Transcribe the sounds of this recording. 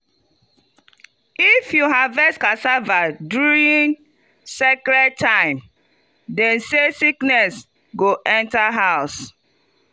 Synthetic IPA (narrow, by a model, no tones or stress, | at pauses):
ifjuɦavɛskasavaduɾĩn | sɛkɾɛd̚tʰːãɪ̃m | dɛ̃nsesiknɛs | ɡoʔɛ̃ntaɦaʊs